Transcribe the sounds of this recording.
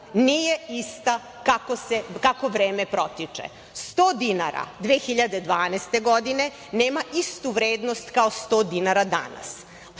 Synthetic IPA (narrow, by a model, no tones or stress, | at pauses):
nijeist̪a | kakosekakoʋɾeːmepɾot̪it͡ʂḛ | st̪oːd̪inaɾa̰d̪ʋeːxiʎad̪e̞d̪ʋaːnest̪eɡod̪ine̞ | neːmaʔist̪uʋɾeːd̪nost̪kaost̪oːd̪inaɾad̪a̰na̰s